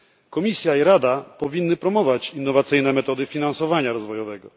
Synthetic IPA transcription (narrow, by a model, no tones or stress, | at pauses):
kɔmʲisʲjaiɾad̪apɔvʲinːɘpɾɔmɔvat͡ɕinːɔvat̪sɘjnɛmɛt̪ɔd̪ɘfʲinansɔvaɲaɾɔzvɔjɔvɛɡɔ̰